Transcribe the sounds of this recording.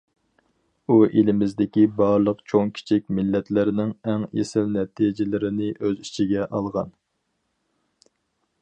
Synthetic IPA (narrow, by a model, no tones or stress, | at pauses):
uʔelɪmɪzd̪ɪkʲibɑɾlˠəqt͡ʃʰoŋkʲʰi̥t͡ʃʰik̚ʲmɪlːɛt̪lɪɾɪnɪŋɛŋjḛsɪlnɛt̪ʰid͡ʒɪlɪɾɪnɪʔøzi̥t͡ʃʰiɡʲɛʔɑlˠʁɑn